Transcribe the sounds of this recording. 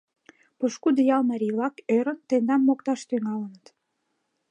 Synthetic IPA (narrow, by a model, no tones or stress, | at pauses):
pɤʃkud̪əjɑlmɑɾʲilɑkøɾə̆nt̪end̪ɑmːokt̪ɑʃt̪yŋɑlənə̆t̪